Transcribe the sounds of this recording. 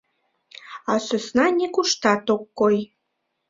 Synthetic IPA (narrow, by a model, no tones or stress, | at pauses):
ɑsø̆snɑnʲekuʃt̪ɑt̪okːoj